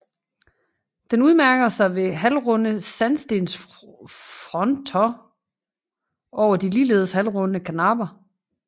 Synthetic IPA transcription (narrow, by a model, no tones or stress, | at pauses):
d̥enuð̞ˠmæɐɡ̥ɐsɑ̈ɪʋe̝ɦælʁɔnəsænsd̥e̝ns | fʁɒ̽nt͡sʰɒ | ʔɒʊɐd̥iliːle̝ːð̞ˠshælʁɔ̽nnəkʰænɑ̈ːb̥ɐ